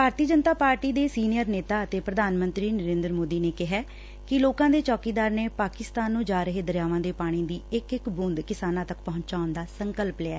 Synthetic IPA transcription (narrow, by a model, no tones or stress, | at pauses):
bʱaːɾt̪iəd͡ʒənt̪aːpaːɾʈiːd̪eːsiːnɪjəɾneːt̪aːət̪eːpɾəd̪aːnmə̃nt̪ɾiːnəɾẽːnd̪ɾəmoːd̪iːneːkɪɦɛː | kɪloːkãːd̪eːt͡ʃɔːkiːd̪aːɾneːpaːkɪst̪aːnːũːd͡ʒaːɾəɦeːd̪əɾjaːʋãːd̪eːpaːɽ̃ĩːd̪iːɪkɪkbʊnd̪kɪsaːnãːt̪əkpəɦʊ̃ɲt͡ʃaːʊnd̪aːsəŋkəlpleːaː